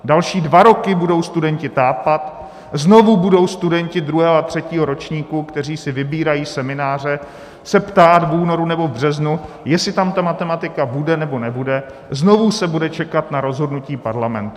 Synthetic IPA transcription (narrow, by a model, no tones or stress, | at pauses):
dalʃiːdvaɾo̞kɪbudo̞wst̪udɛɲcɪt̪aːpat̪ | zno̞vubudo̞wst̪udɛɲcɪd̪ɾuɦɛːɦoat̪r̝̥ɛciːɦo̞ɾo̞t͡ʃɲiːkukt̪ɛr̝iːsɪvɪbiːɾajiːsɛmɪnaːr̝ɛ | sɛpt̪aːt̪vuːno̞ɾunɛbo̞vbr̝ɛznu | jɛsɪt̪amt̪amat̪ɛmat̪ɪkabudɛnɛbo̞nɛbudɛ | zno̞vusɛbudɛt͡ʃɛkat̪naɾo̞zɦo̞dnuciːpaɾlamɛ̰nt̪u